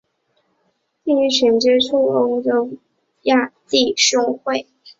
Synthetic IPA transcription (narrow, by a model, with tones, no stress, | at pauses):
t͡ɕi˥˩y˧˥ɕɥɛ˧˥nʈ͡ʂɻɛ˥ʈ͡ʂʰu˥˩o˥ʊʈ͡ʂo˥ʊ | ja˥˧ti˥˩ʂʊ˥ŋxwe˥˩ɪ